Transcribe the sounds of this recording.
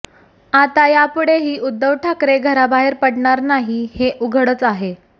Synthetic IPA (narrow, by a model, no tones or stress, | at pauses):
at̪ajapuɽeɦiːʔud̪ːəʋʈʰakɾeɡʱəɾabaɦeɾpəɽɳaɾnaɦiheʔuɡʱəɽət͡saɦe